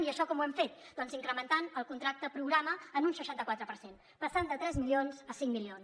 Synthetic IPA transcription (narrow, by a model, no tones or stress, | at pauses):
niəʃɔkɔmuɛmfet̪̚d̪ɔnziŋkɾəmənt̪anəlˠkunt̪ɾak̚t̪əpɾuɣɾaməənunsəʃant̪əkwat̪ɾəpəɾsen | pəɾtand̪ət̪ɾɛzmilionzəsiŋmilions